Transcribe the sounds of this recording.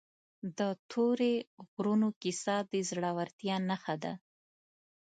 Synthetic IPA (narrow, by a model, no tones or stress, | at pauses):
d̪ət̪ʰoɾeɣɾunokisɑd̪əzɽawaɾt̪jɑnaxad̪a̰